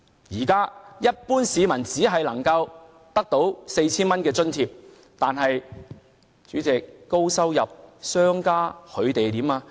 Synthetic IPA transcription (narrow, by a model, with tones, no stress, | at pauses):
jiː˨˩kaː˥jɐ˥t̚puː˥nsiː˨˧mɐ˨˩nt͡siː˨˥ɦɐ˨jlɐ˨˩ŋkɐ˧w | t̪ɐ˥k̚t̪o˨˥wse˧jt͡sʰiː˥nmɐ˥nkɛː˧t͡sɵ˥nt̪ʰiː˧p̚ | t̪aː˨nɦɐ˨j | t͡ʃyː˨˥t͡sɛː˨˩kːo˥wsɐ˥wjɐ˨p̚sœː˥ŋkaː˥kʰɵ˨˧ɥt̪e˨jt̪iː˨˥maː˧